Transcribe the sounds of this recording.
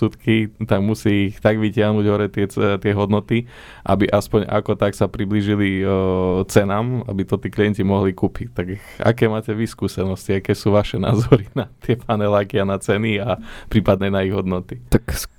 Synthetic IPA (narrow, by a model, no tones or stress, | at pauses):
ut̪kit̪aɡmusiːxt̪aɡʋicɪaɦnuːɟɦɔɾɛt̪ɛt̪ɪɛɦɔd̪nɔt̪i | ʔa̰biʔaspɔɲa̰kɔt̪aksapɾibliːʒili | t͡sɛnaːma̰bit̪ɔt̪iːkliɛncimɔɦlikuːpict̪ak | a̰kɛːmaːcɛʋiskuːsɛnɔsciakɛːsuːʋaʃɛna̰ːzɔɾinat̪ɪɛpaːnɛlaːkianat͡sɛniapɾiːpad̪nɛnaiɣɦɔd̪nɔt̪it̪aks